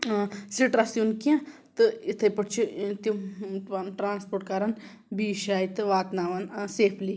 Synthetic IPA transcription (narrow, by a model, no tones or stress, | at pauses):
siʈɾasjunkiã | t̪ɨit̪ʰɐjpɐʈt͡ʃʰit̪i | ʈɾaːnspoːʈ̚kaːɾɐn | biːʃaːjit̪ɨʋaːt̪naːʋanseːpʰli